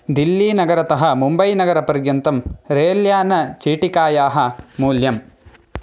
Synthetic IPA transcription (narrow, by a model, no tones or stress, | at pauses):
d̪ilːiːnɐɡɐɾɐt̪ɐɦɐmumbɐjnɐɡɐɾɐpɐɾjɐnt̪ɐmɾeːljaːnɐt͡ʃiːʈikaːjaːɦɐmuːljɐm